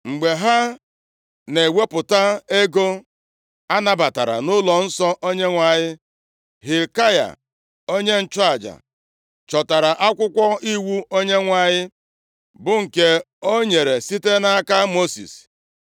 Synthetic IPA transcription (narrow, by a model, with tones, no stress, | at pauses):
ŋ͡m̩˨ɡ͡be˨ɦa˦ | ne˨we˦pʊ˨ta˦e˦ɡo˦ | a˦na˦˨ba˨ta˨ɾa̰˨nʊ˦lɔ˨n̩˦sɔ˦ʔo˦ɲe˦ŋʷa˨ɲɪ˦ | ɦi˨ka˦ja̰˨ | o˦ɲe˦n̩˦t͡ʃɔ˦a˨d͡ʒa̰˨ | t͡ʃɔ˨ta˨ɾa˨ʔa˦kʷʊ˦kʷɔ˦i˦wu˦o˦ɲe˦ŋʷa˨ɲɪ˦ | bʊ˦ŋ̩˨ke˦ | o˦ɲe˨ɾe˨si˦te˦na˦ka˦mo˦sḭ˨s